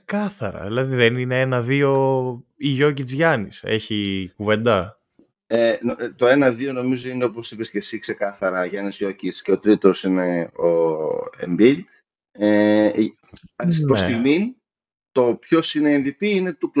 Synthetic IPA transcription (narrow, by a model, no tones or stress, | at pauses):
kɐθɐɾɐ̰ðilɐðiðenine̞enɐðio̞iʝo̞c̬it͡sʝɐnise̞̰çikuve̞nd̪ɐ | et̪o̞e̞nɐðio̞no̞mizo̞ineo̞p̬osipescesikse̞kɐθɐɾɐʝɐnizʝo̞cit͡sceot̪ɾit̪o̞sineoḛmbil | e | snpɾost̪iɣmi | t̪o̞pço̞sineːnðipiine̞t̪upl